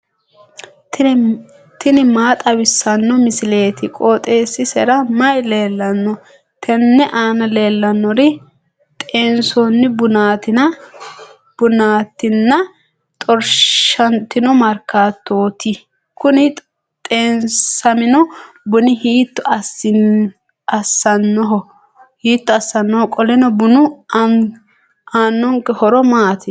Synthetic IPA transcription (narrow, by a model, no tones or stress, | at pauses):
t̪ɪnɪmaːt̪ʼɐwɪsːɐnːɔmɪsɪle̞ːt̪ɪkʼoːt̪ʼe̞ːsːɪsɛɾɐmɐjle̞ːlːɐnːɔ | t̪ʰɛnːɛʔaːnɐle̞ːlːɐnːɔɾɪ | t̪ʼeːnsonːɪbʊnaːt̪ɪnɐ | b̥ʊnaːt̪ːɪnːɐ | t̪ʼɔɾʃɐnt̪ːɪnɔmɐɾkːaːt̪ːoːt̪i | kʊnɪ | t̪ʼeːnsɐmɪnɔ | bʊnɪhiːt̪ːʊɐsɪ | ɐsːɐnːɔɦɔ | hiːt̪ːɔɐsːɐnːɔhɔkʼɔlɛnɔbʊnʊ | aːnːɔŋkɛhɔɾɔmaːt̪ʰɪ